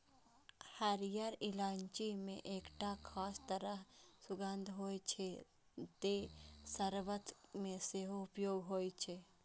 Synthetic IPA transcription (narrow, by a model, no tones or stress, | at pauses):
həɾijəɾɪlaːɲt͡ʃimẽʔeːkʈakʰaːst̪əɾəɦsʊɡə̃nd̪ʱɦoːjt͡ʃʰe | t̪esəɾʋət̪mẽseɦoʊpjoːɡɦoːjt͡ʃʰeː